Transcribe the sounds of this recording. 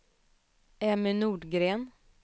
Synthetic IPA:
æmenuːɖɡɾeːn

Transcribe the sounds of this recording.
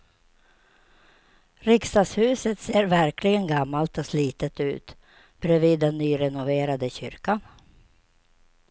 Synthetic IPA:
ɾɪkst̪ɑːshʉ̟ːsət̪seːɾvæɾkʰlɪɡənɡamːalt̪ɔsliːt̪ət̪ʉ̟̰ːt̪ | b̥ɾɛviːd̪ːɛnːyːɾɛnʊveːɾad̪əɕʏ̰ɾkan

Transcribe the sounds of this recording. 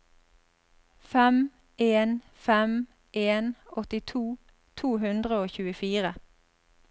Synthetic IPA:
fɛm | eːn | fɛm | ʔeːnɔt̪ɪt̪ʰuː | t̪ʰuːɦʉnd̪ʁəoːçʉːəfiːʁə

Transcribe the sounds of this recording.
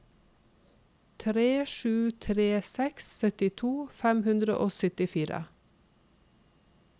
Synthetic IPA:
t̪ʰɾeːʃʉːt̪ʰɾeːsɛksːœt̪ɪt̪ʰuːfæmhʉnd̪ɾə̰ʔoːsœt̪ɪfiːɾə̰

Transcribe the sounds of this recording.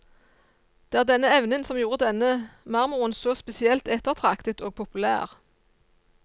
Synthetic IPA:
d̪̥eːæːʁd̪ɛnəɛʋnənsɔmjuːʁəd̪ɛnəmɑʁmʊʁənsɔspɛsɪɛlt̪ɛt̪ːəʁt̪ʰʁɑkt̪ət̪oːɡ̚pʰʊpʉlæ̰ːʁ

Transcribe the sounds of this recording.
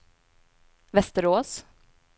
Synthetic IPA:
vɛst̪əɾoːs

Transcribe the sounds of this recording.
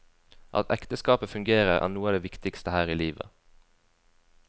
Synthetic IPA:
ʔɑ̰t̪ʰɛ̰kt̪əskɑːpəfʉŋɡeːʁəʁʔæ̰ːnuːɑːd̪eːʋɪkt̪ɪkst̪əhæːʁiːliːʋə̰

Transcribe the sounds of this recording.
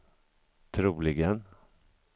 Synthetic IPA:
t̪ʰɾuːlɪɡən

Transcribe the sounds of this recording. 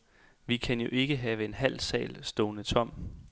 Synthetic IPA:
ʋikʰænjo̝ʔe̝ɡ̥əɦɛːʋəe̝nɦæl̰sɛ̰ːlsd̥oːnət͡sʰɒ̽m̰

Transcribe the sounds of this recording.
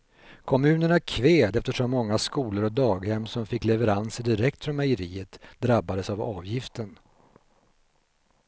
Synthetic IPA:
kʰɔmʉ̟ːnəɳaɾkʰveːd̪ɛft̪əʂɔmːɔŋːaskuːləɾɔd̪ɑːɡhɛmːsɔmfɪkːlɛvəɾansɪd̪ɪɾɛk̚t̪fɾɔmajəɾiːət̪d̪ɾabːad̪əsavɑːvjɪft̪ən

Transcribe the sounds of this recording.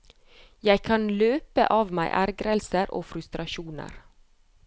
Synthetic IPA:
jæɪkʰɑnløːpə̰ʔɑːʋmæ̰ɪʔæɾɡɾəlsəɾʔo̰ːfɾʉst̪ɾɑʃuːnə̰ɾ

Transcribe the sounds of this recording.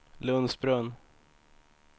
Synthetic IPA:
lɵnsbɾɵn

